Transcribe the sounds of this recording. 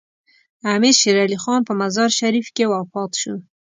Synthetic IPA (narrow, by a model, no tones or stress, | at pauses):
amiɾʃeɾalixɑnpəmazɑɾʃaɾifkewafɑt̪ʃu